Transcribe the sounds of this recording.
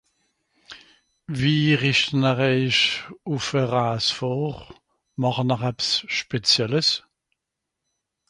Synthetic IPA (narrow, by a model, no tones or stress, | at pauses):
viːʁiʃtənəʁeɪʃufəʁaːsfoːʁ | mɑʁənəʁɛpsʃpet͡sjɛləs